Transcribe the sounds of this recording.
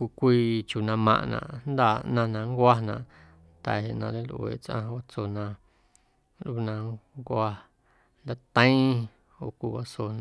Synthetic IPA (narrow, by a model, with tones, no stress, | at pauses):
kʷi˧kʷiː˧t͡ʃu˨nã˧mã̰˧ʔnã̰˧˨ʔnd̪a˧˨nã˧nã˧ŋ˦kʷa˦˧nã̰˧˨ʔ | nt̪a˨ɦe˨ʔnã˧le˦lʔwḛː˨t͡sʔã̰˧wa˦t͡so˧nã˧ | lu˧nã˧ŋkʷa˧ | nd̪a˧˦t̪ə̃˦ĩ˦ | o˨kʷi˧wa˧so˧nã